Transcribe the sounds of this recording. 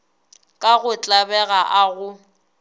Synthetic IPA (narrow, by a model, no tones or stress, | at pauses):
kʼaɣʊt͡ɬʼabɛɣaʔaɣʊ